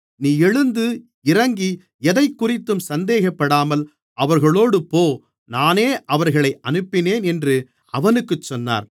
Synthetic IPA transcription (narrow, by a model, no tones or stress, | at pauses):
niːɛɻɯnd̪ɯ | ɪɾɐŋɡi | ɛðɐɪkːʊrɪt̪ːɯmsɐnd̪eːɣɐpːɐɽaːmɐl | ʔɐʋɐɾɣɐɭoːɽɯpoː | naːneːʔɐʋɐɾɣɐɭɐɪʔɐnɯpːɪneːnɛndrɯ | ɐʋɐnɯkːɯt͡ʃːɔnːa̰ːɾ